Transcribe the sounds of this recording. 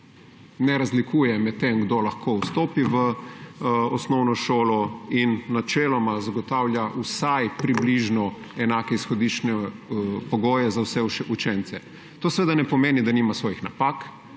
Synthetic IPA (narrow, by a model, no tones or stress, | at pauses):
nɛɾazlikuːjɛmɛt̪ːemɡd̪olaxkʰoust̪oːpiʋə | ɔsnɔwnɔʃoːlɔinːat͡ʃɛːlɔmazaɡɔt̪awlʲjaʔusajpɾibliʒnɔ | ɛnaːkɛisxɔd̪it͡ʃnɛpɔɡoːjɛzawsɛʃɛut͡ʃɛnt̪sɛ | t̪oːsɛʋeːd̪anɛpɔmeːnid̪animasʋoːjixnapaːk